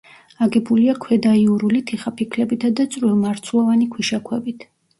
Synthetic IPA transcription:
aɡɛbuliakʰwɛd̪aiuɾulit̪ʰiχapʰikʰlɛbit̪ʰad̪at̪sʼɾilˠmaɾt̪sʰulˠavanikʰwiʃakʰwɛbit̪ʰ

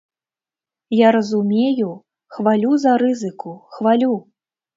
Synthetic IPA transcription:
jaɾɐzumʲeju | xvalʲuzɐɾɨzɨkuxvalʲu

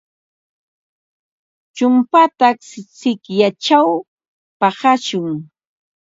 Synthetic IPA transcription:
t͡ʃʊmpat̪aksɪt͡sɪkjat͡ʃaw | pɑhaʃʊŋ

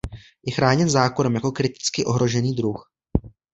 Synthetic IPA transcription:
jɛxɾaːɲɛnzaːkonɛmjako̞kɾɪt̪ɪ̥t͡skɪʔo̞ɦɾo̞ʒɛniːdɾux

